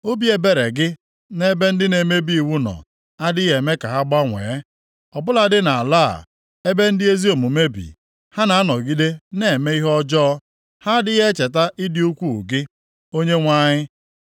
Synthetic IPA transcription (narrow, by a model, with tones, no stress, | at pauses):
o˦bi˦e˨˦be˨ɾe˨ɡɪ˦ | ne˦be˦n̩˦dɪ˦ne˨me˦bi˦i˨wu˦nɔ̰˨ | a˦dɪ˦ɣe˨me˦ka˨ɦa˦ɡ͡ba˦ŋʷḛː˨˦ | ɔ˨bʊ˦la˦dɪ˦na˨a˨la̰˦˨ | e˦be˦n̩˦dɪ˦e˦zi˦o˨mu˨me˦bḭ˨ | ha˦na˨a˦nɔ˨ɡi˦de˦ne˨e˨me˦i˦ɦɔ˦d͡ʒɔː˦ | ha˦dɪ˦e˦t͡ʃe˨ta˦ʔɪ˦dɪ˦u˦kʷu˦˨ɡɪ˦ | o˦ɲe˦ŋʷa˦ɲɪ˦